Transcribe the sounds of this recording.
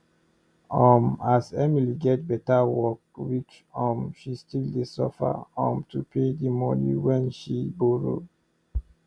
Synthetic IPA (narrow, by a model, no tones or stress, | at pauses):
ɔmasɛmiliɡɛt̚bɛtawɔk̚wit͡ʃ | ɔ̃mʃistildesɔfa̰ɔ̃mtʰupʰedimɔnḭwɛ̃nʃiboɹo̰